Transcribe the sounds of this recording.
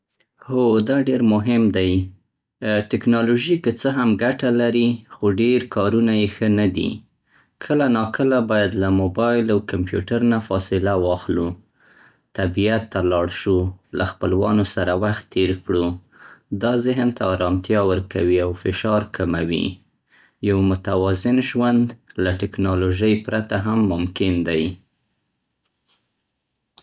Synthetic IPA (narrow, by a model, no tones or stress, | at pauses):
hod̪ɑɖeɾmʊɦɪmd̪aj | ʈɪknɑloʒikət͡səɦamɡaʈalaɾixoɖeɾkɑɾunajexənad̪ḭ | kʰəlanɑkəlabɑjad̪lamobɑjlawkampjṵʈaɾnafɑsɪlawɑxlu | t̪abijat̪ːalɑɽʃulaxpəlwɑ̰nosaɾawaxt̪ːeɾkɽu | d̪ɑzɪɦnt̪aɑɾɑmt̪jɑwəɾkawiawfɪʃɑɾkʰamawḭ | jawmʊt̪awɑzɪnʒwand̪laʈɪknɑloʒəjpɾat̪aɦamːʊmkɪnd̪aj